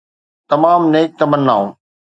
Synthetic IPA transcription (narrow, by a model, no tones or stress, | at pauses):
t̪ɐmaːmneːk̚t̪ɐmənːaːũː